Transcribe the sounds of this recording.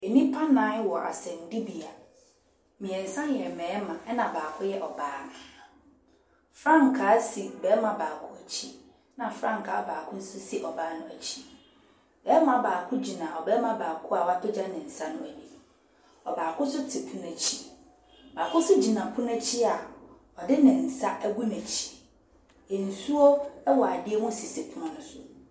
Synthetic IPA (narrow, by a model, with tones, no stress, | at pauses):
e˨nĩ˦pʰã˦nã˨˦wɔ˨ʔa̰˨sɛ̃˨n̩˨di˦bi˨a˨ | mĩ˨ɛ̃˨n̩˨sã˦njɛ˨mɛ̃ː˨˦mã˨ɛ˦nã˨baː˨kʰʊ˦jɛ˦ʔɔ˨baː˦nʊ̃˨ | fɾã˦ŋ˨kʰaː˨˦si˨bɛ˨˦mã˨baː˨kʰʊ˦æ˨t͡ɕʰi˦ | nã˨fɾã˦ŋ˨kʰa̰ː˨˦baː˨kʰʊ̃˦n̩˦sʊ˦si˦ʔɔ˨baː˦nʊ̃˦æ˨t͡ɕʰi˦ | bɛ˨˦mã˨baː˨kʰʊ̃˦d͡ʑi˨nã˨ɔ˨bɛː˦mã˨baː˨kʰʊ˦a˨wa˦tʰʊ˦d͡ʑa˦nɪ̃˨n̩˨sa˦nʊ̃˦æ˨di˨ | ɔ˨baː˨kʰʊ̃˦sʊ˦tʰɪ˨pʰʊ̃˦næ˨t͡ɕʰi˦ | baː˨kʰʊ̃˦sʊ˦d͡ʑi˨nã˨pʰʊ̃˦n˦æ˦t͡ɕʰi˦a˨ | ɔ˨dɪ˦nɪ̃˨n̩˨sa˦ʔæ˦ɡu˦næ̃˨t͡ɕʰi̥˨ | n̩˨su˦o˦ɛ˦wɔ˨a˨dɪ˦e˦mʊ̃˦˨si˨se˨pʰʊ̃˦ã˦nʊ̃˦sʊ˦